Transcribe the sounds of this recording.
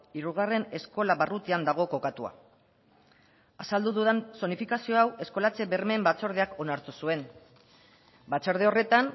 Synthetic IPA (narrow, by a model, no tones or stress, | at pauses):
iɾuɣ̞are̞ne̞sko̞laβarut̪iand̪aɣ̞o̞ko̞kat̪ua̰ | asald̪uðuðanso̞nifikasio̞awe̞sko̞lat͡se̞βe̞ɾme̞mbat͡so̞ɾð̞eako̞naɾt̪usue̞n | bat͡soɾðe̞o̞re̞t̪an